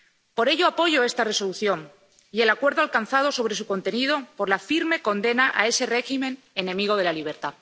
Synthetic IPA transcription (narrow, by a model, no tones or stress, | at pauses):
po̞ɾe̞ʝo̞apo̞ʝo̞e̞st̪are̞so̞luθjo̞m | ie̞lakwe̞ɾðoalkan̟θað̞o̞so̞β̞ɾe̞suko̞nt̪e̞nið̞o̞po̞ɾlafiɾme̞ko̞nd̪e̞naʔae̞se̞re̞ximẽ̞n | enẽ̞miɣ̞o̞ð̞e̞laliβ̞e̞ɾt̪a